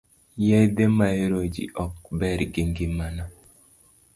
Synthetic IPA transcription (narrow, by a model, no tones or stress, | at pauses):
jɛd̪emaeɾod͡ʒḭʔɔk̚bɛɾɡiŋɡɪmana